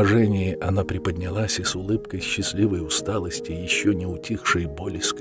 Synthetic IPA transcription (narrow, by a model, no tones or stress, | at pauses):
ʐɛnʲɪjɪʔɐnapɾʲɪpədʲnʲɪlˠasʲɪsʊlˠɨpkəjɕːɪsʲlʲivəjʊst̪alˠəsʲtʲɪjɪɕːonʲɪʊtʲixʂɨjbolʲɪsk